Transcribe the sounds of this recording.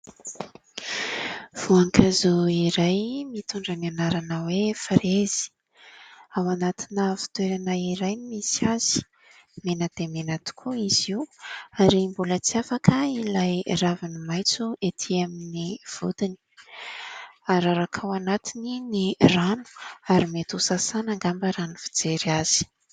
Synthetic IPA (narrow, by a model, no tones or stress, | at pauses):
v̥uaŋkʰazuiɾajmit̪ʰuɳɖ͡ʐananaɾanəwefaɾez̥i̥ | awanat̪inəfi̥t̪weɾanaiɾaj̪imisiaz̥i̥ | menəd̪̥emenat̪u̥kʰuiz̥iuaɾimbulət͡siafakʰəilajravinimajt͡suet̪ʰiaminiv̥ṵd̪ini̥ | aɾaɾakʰawanat̪ininiranu̥aɾimet̪usasanaŋɡambaɾanuvi̥d͡zeɾiaz̥i̥